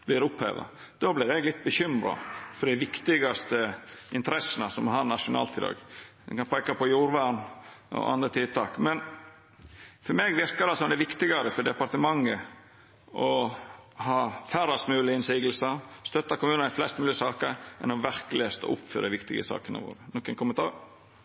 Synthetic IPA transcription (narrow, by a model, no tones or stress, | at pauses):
blɪɾʊphḛːʋə̰ | d̪̥oːblɪɾɛɡlɪt̪̚ːbəçʏmɾɑ̰fɔɖ̪ɪʋɪkt̪ɪɡɑst̪əɪnt̪əɾɛsənəsɔmɔhɑɾnɑʂʊnɑ̰ːlt̪ʰiːd̪ɑ̰ːɡ̪ | ɛ̰kɑnpʰɛkɑpʰɔjuːɾʋæɳʔɔ̰ʔɑ̰nd̪ɾət̪ʰɪd̪t̪ʰɑːkmɛn | fɔɾmeːɡʋɪɾkɑd̪ɛɑsɔnd̪ɛʋɪkt̪ɪɡɑɾəfɔɖ̪ɛpɑɾt̪əmɑŋːə | ʔɔ | hɑːfæɾɑst̪mʉːlɪɪnsiːɡəl̩səst̪œt̪ːɑkʊmʉːnnæɪflɛst̪mʉːlɪəsɑːkəɾʔɛ̰nɔʋæɾkəlɪest̪ɔ̰ʔʊ̰pfy̰ːɾəʋɪkt̪ɪɡə̰sɑ̰ːkənə̰ʋo̰ːɾənɔkːənkʰʊmənt̪ʰɑːɾ